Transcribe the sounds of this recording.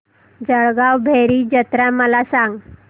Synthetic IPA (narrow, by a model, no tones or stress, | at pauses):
d͡zəɭɡawbʱeɾiːd͡ʑət̪ɾaməlasãŋɡ